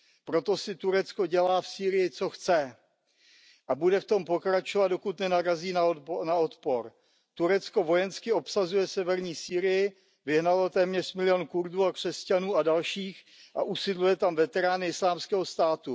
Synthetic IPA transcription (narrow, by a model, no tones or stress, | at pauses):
pɾo̞t̪o̞sɪt̪uɾɛt͡sko̞ɟɛlaːfsiːɾɪjɪt͡so̞xt͡sɛ | ʔabudɛft̪o̞mpo̞kɾat͡ʃovad̪̚dokut̪nɛnaɾaziːnanaot̪po̞ɾ | t̪uɾɛt͡sko̞vo̞jɛnskɪo̞psazujɛsɛvɛɾɲiːsiːɾɪjɪ | vɪɦnalot̪ɛːmɲɛʂmɪlɪjonkuɾduːakr̝̥ɛscanuːadalʃiːx | ʔa̰ʔusɪdlujɛt̪amvɛt̪ɛɾaːnɪɪslaːmskɛːɦost̪aːt̪u